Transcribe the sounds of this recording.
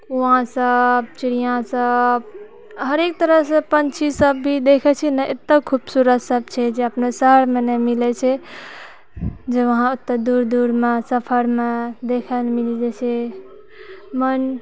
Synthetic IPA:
uãsəb̚t͡ʃiɾijãsəb | ɦəɾek̚t̪əɾəɦsə̃pənt͡ʃʰisəbːʱid̪ekʰɛt͡ʃʰɛnɛʔet̪ːəkʰubsuɾət̪səb̚t͡ʃʰɛd͡ʒeəpnesəɦəɾmenɛmilɛt͡ʃʰɛ | d͡ʒeʋəɦãut̪ːəd̪uɾd̪uɾmesəpʰəɾmed̪ekʰəlmilid͡ʒet͡ʃʰɛ | mən

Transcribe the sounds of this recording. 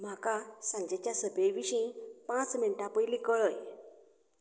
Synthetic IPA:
m̤akasãɲd͡ʑet͡ɕjasəbʱejʋiɕĩpãt͡sminʈãpəjlĩkəɭəj

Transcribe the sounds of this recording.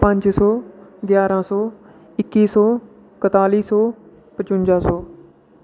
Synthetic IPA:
pə̃ɲd͡ʒsɔːɡjaːɾãːsɔː | ɪkːiːsɔː | kət̪aːliːsɔː | pət͡ʃʊ̃ɲd͡ʒaːsɔː

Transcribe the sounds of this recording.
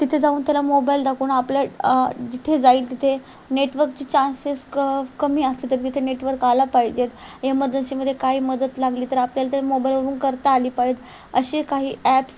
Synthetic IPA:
t̪it̪ʰed͡zauːnt̪jalamobaild̪akʰuːnapljad͡ʑit̪ʰed͡zaiːlt̪it̪ʰe | neʈʋəɾkt͡ɕiːt͡ɕãnseskəmiːəslit̪əɾt̪it̪ʰeneʈʋəɾkalapajd͡ʑet̪jaməd̪ənɕiːməd̪ʱːjekaɦiːməd̪ət̪laɡliːt̪əɾapljalat̪̬jalamobailʋəɾuːnkəɾt̪aːliːpaɦet̪ | əɕiːkaɦiːɛps

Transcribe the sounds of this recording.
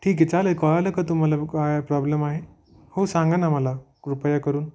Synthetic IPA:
ʈʰiːk̬et͡salelkɔɭaləkət̪̬um̤alakajpɾɔblemaɦe | hosãŋɡənaməla | upəjakəɾuːn

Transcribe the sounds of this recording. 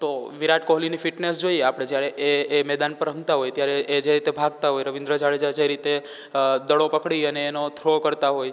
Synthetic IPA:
t̪oʋiɾaʈkoɦlinifiʈnesd͡ʒoieapɽ̃ed͡ʒjaɾeʔeːmɛd̪anpəɾɦə̃ŋɡt̪aɦojt̪jaɾeːd͡ʒeɾit̪ebʱaɡ̚t̪aɦojɾəʋĩnd̪ɾəd͡ʒaɭed͡ʒad͡ʒeɾit̪e | d̪əɭopəkɽiəneːnot̪ʰɾokəɾt̪aɦoj

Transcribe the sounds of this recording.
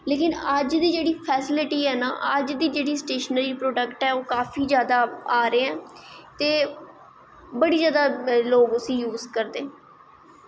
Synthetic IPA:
leːkɪnəd͡ʒd̪iːd͡ʒeːɽiːpʰɛːsɪlɪʈiːɛːna̰ːʔəd͡ʒd̪iːd͡ʒeːɽiːsʈeːʃənɾiːpɾoːɖəkʈɛːoːkaːfʰiːzjaːd̪aːaːɾeːɛ̃ːt̪eː | bəɽiːzjaːd̪aːloːɡʊsĩːjuːzkəɾd̪eː

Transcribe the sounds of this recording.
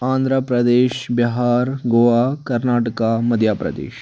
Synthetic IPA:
ãːnd̪ʱɾəpɾɐd̪eːʃbiɦaːɾɡoːʋaːkɐɾnaːʈɐkamɐd̪ʱjaːpɾɐ̰d̪ḛːʃ

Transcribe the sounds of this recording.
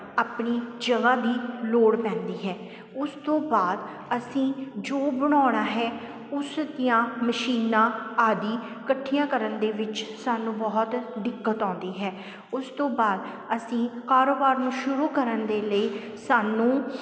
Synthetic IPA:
aːpɳiːd͡ʒəɡaːd̪iːloːɽpɛ̃ːnd̪iːɦɛː | ʊst̪õːbaːd̪ | əsĩːd͡ʒoːbəɽ̃ɔːɽ̃aːɦɛː | ʊsd̪ɪjãːməʃiːnãːaːd̪iː | kəʈʰːijãːkəɾənd̪eːʋɪt͡ʃsaːnũːbɔːt̪d̪ɪkːət̪ãːnd̪iːɦɛː | ʊst̪õːbaːd̪ | əsĩːkaːɾoːbaːɾnũːʃʊɾuːkəɾənd̪eːləiː | saːnũː

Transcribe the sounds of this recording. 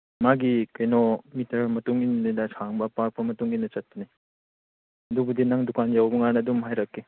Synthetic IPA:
maɡikɐjnɔmitʰɐɾmɐtuŋinninɐsʰaŋbɐpak̚pɐmɐtuŋinːɐt͡ʃɐt̚ːani | ɐdubudinaŋdukanjawbɐŋanɐːdumɦajɾɐkːe

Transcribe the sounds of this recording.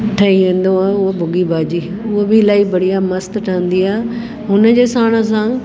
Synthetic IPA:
ʈʰɐĩʋẽːn̆d̪õaːʊɦobʱʊɡibaːd͡ʑiː | ʊɦobɪlaːibɐɽ̤ijamɐst̪ʈʰãːnd̪iaː | ɦʊnəd͡ʑeːsaːɽ̃əs̬ãː

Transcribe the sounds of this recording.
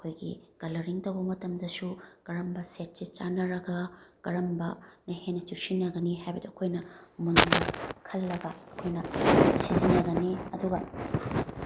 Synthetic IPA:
ɐkʰojɡḭɡ̥ɐlɐɾiŋtɐwbɐmɐtɐmdɐsuɡ̥ɐɾɐmbɐset̚sit͡ʃanɐɾɐɡɐɡ̥ɐɾɐmbɐnɐhenɐt͡ʃusinɐɡɐnihajbɐdɐɐkʰojnɐmunnɐkʰɐlːɐɡɐːkʰojnɐsizinɐɡɐniɐduɡɐ̰

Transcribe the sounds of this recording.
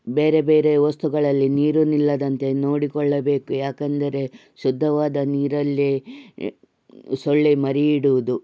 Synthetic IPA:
be̞ːɾe̞be̞ːɾe̞ʋɐst̪uɡɐɭɐlːiniːɾunilːɐd̪ɐnt̪e̞no̞ːɽikɔɭːɐbe̞ːkujaːkɐnd̪ɐɾe̞ | ʃud̪ʱːɐʋaːd̪ɐniːɾɐlːi | soɭːimɐɾiiɽuʋud̪u

